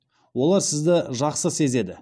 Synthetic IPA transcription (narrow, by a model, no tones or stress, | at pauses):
wo̞lˠɑɾsɪzd̪ɪʒɑqsəse̞ze̞d̪ɪ